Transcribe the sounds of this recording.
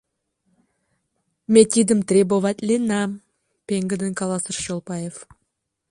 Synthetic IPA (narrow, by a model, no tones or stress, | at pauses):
mʲet̪ʲid̪əmt̪ɾʲebovat̪lʲenam | pʲeŋɡəd̪əŋkʰalˠasərʃolˠpɑjef